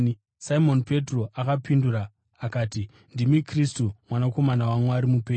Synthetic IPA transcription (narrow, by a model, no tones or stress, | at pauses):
saimo̞npe̞tro̞ʔakapinduraː | kaːti | ndimikristumwanako̞manawaŋeaɾimupeː